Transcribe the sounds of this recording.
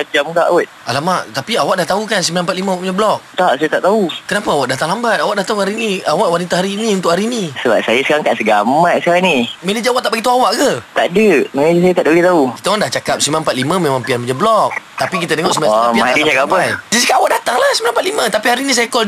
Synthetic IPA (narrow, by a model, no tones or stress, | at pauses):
ad͡ʒamkaʔut̪̚alamaʔt̪apiawaʔdaht̪aukansəmilanmpat̪̚limaawaʔpuɲablɔk̚t̪aʔsajat̪aʔt̪aukənapaawaʔdat̪aŋlambat̪̚awaʔdaht̪auhaɾiniawaʔwanit̪aɦaɾiːniunt̪ʊʔhaɾinisəbap̚sajəsəkaɾaŋkaʔsəɡamat̪səkaɾaŋnimenəd͡ʒəawaʔt̪aʔbaɡit̪uawaʔɡət̪aʔdəmend͡ʒəs̬ajət̪aʔdəbəɡit̪auki̥t̪aandaht͡ʃakap̚səmilanmpat̪̚limə̃memãŋpianpuɲablɔk̚t̪apik̬it̪ət̪eŋɔʔsəmilaaaadit͡ʃakapajd͡ʒad͡ʒikaʔawaʔdat̪aŋlahsəmilampat̪̚limət̪apiɦaɾinĩs̬ajakɔl